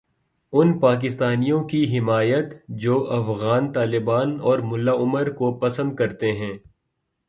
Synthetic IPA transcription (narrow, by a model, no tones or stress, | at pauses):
ʊnpaːk̬ɪst̪aːnijõkiɦɪmaːjət̪d͡ʒoːʔɐfɣaːnt̪aːlɪbaːnɔːɾmʊlːaʊməɾkopɐsə̃nd̪̚kɐɾt̪eɦɛ̃ː